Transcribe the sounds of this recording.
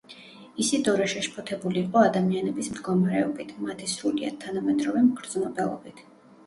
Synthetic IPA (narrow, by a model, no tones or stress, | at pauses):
isid̪ɔɾɛʃɛʃpʰɔt̪ʰɛbuliːqʼɔad̪amianɛbismd̪ɡɔmaɾɛɔbit̪ʰmat̪ʰisɾulia̰t̪ʰanamɛt̪ʼɾɔvɛmɡɾd̪znɔbɛlˠɔ̰bit̪ʰ